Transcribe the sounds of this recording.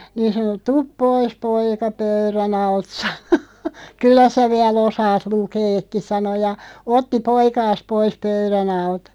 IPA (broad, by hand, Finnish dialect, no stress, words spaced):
niːn̞ sɑno tup pois poikɑ pøyræn ɑlt sɑno kylːæ sæ ʋiɛl osɑːt lukeːkːi sɑno jɑ otːi poikɑːs pois pøyræn ɑltɑ̥